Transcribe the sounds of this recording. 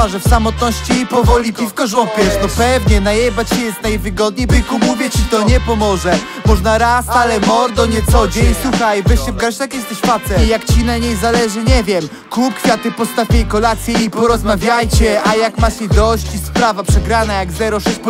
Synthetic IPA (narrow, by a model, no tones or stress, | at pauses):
aʐɛfsamɔt̪̚nɔɕt͡ɕiipɔvɔlʲipʲifkɔʐɔpʲjɛʂnɔpɛvɲɛnajɛbat͡ɕɛjɛst̪najvɘɡɔd̪̚ɲejbɨkumuvʲjɛt͡ɕit̪ɔɲɛpɔmɔʐɛ | mɔʐnaɾasalɛmɔɾd̪ɔɲɛt̪sɔd͡ʑɛiswuxajbɪɕɛvɡaɾt͡ɕt̪akjɛst̪ɛɕfat̪sɛjakt͡ɕinaɲejzalɛʐɘɲɛvʲjɛm | klupkfʲjat̪ɨpɔst̪afʲejkɔlat̪sʲjɛipɔɾɔzmavʲjajt͡ɕɛajakmat͡ɕɛd̪ɔɕt͡ɕispɾavapʂɛɡɾanajaɡzɛɾɔʂɛɕp